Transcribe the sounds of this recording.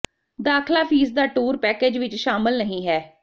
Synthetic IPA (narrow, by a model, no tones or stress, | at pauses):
d̪aːkʰlaːpʰiːsd̪aːʈuːɾpɛːkeːd͡ʒʋɪt͡ʃʃaːmɪlnəɦĩːɦɛː